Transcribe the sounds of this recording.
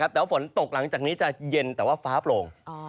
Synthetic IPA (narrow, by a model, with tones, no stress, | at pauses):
a˦˥p̚t̪ːa˧fo˩˦nt̪o˨˩k̚la˩˦ŋt͡ɕaː˨˩k̚niː˦˥t͡ɕa˨˩je˧nt̪ɛː˨˩waː˥˩faː˦˥ploː˧ŋ